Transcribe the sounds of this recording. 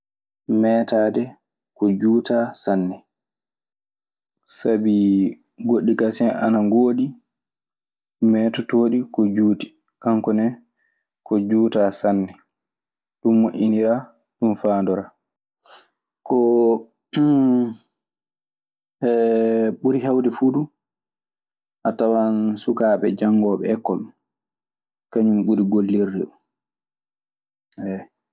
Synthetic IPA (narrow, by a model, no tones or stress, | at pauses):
mɛːtaːdɛ | kɔd͡ʒuːtasanːɛ | sabi | ɡoɗːikasɛnʔa̰naŋɡoːɗi | mɛːtɔtoːɗikɔd͡ʒuːti̥ | kaŋkɔnɛ | kɔd͡ʒuːtasanːɛ | ɗumːoʔʲiniɾa | ɗunfaːndɔɾaː | kɔ | ɛɓuɾiɦawdɛfuɗu | ʔatawansukaːɓɛ̰d͡ʒaŋɡɔːɓɛɛkːɔl | kaɲumɓuɾiɡolːiɾːḭɗun | ʔɛ